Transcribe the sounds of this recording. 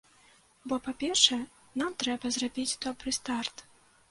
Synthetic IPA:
bɔpapʲɛrʂɛ | namt̪ɾɛbɐzrabʲit͡sʲt̪ɔbɾɨst̪art̪

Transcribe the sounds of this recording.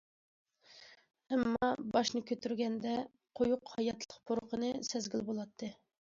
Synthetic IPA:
ɛmːɑbɑʃnɨkʲʰøt̪yɾɡʲɛnd̪ɛ | qʰojuqhɑjɑt̪ʰlˠəqpʰoɾqʰənɨsɛzɡʲilbolˠɑt̪ʰːɨ

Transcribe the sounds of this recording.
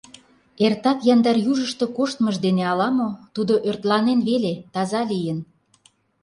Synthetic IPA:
ert̪ɑt̪jɑnd̪ɑrjuʒəʃt̪okoʃt̪məʒd̪eneɑlɑmot̪ud̪oʔørt̪lɑnenβelet̪ɑzɑlijə̆n

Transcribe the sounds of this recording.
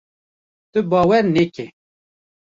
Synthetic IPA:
t̪ɨbɑːwɛɾnekʰɛ

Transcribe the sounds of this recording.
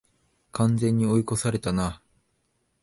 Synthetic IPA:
kʰãnzẽ̞ɲ̟ːio̞iko̞saɾe̞t̪ana

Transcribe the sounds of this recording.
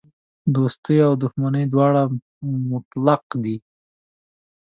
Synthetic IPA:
d̪ost̪əjawd̪ʊxmanəjd̪wɑɽa | mʊt̪laqd̪i

